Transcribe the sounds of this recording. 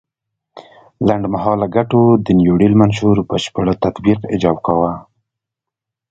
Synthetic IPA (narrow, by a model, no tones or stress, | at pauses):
laɳɖmaɦɑlaɡaʈod̪ənjoɽilmanʃuɾpəʃpəɽat̪at̪biqɪd͡ʒɑbkawa